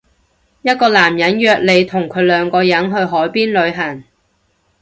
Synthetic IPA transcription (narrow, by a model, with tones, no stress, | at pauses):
jɐ˥t̚kɔː˧laː˨˩mjɐ˨˥njœː˨˧k̚le˨˧jt̪ʰʊ˨˩ŋkʰɵ˨˧ɥlœː˨˧ŋkɔː˧jɐ˨˥nɦɵ˧ɥɦɔː˨˥jpiː˥nlɵ˨˧ɥɦɐ˨˩ŋ